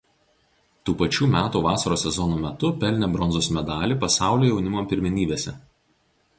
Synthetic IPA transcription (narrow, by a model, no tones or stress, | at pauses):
t̪uːpɐt͡ʃʲuːmʲæːt̪uːʋɑːsɐɾoːsʲɛzɔnoːmʲɛt̪ʊpʲɛlʲnʲɛbɾɔnzoːsmʲɛd̪ɑːlʲiːˑpɐsɑˑʊlʲoːjɛʊnʲɪmoːmpʲɪɾʲmʲɪnʲiːbʲeːsʲɛ